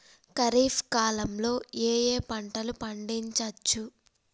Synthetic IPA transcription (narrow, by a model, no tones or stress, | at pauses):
kɐɾiːfkaːlɐmlo̞ːeːjeːpɐɳʈɐlupɐɳɖiɲt͡ʃɐt͡ʃːu